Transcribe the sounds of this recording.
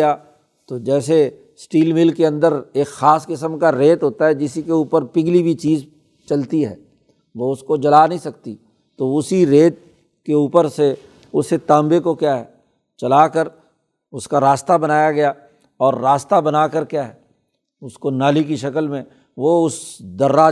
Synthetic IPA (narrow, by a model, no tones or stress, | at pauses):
ja | t̪od͡ʒɛːse | sʈiːlmɪlkːeɐ̃nd̪əɾeːkxaːskɪsəmkaɾeːt̪ɦoːt̪aɦɛd͡ʒɪsikeuːpəɾpɪɡlibʱit͡ʃiːz | t͡ʃɐlt̪iɦɛ̰ː | ʋoʊskod͡ʒɐlaːnəɦĩsɐk̚t̪i | t̪oʊsiɾeːt̪̚ | keuːpəɾse | ʊsːet̪aːmbekokjaːɦɛː | t͡ʃɐlaːkəɾ | ʊskaɾaːst̪abɐnaːjaɡɐja | ɔːɾːaːst̪abɐnaːkəɾkjaːɦɛ | ʊskonaːlik̬iʃɐkəlmẽ | ʋoʊsd̪ɐɾːaː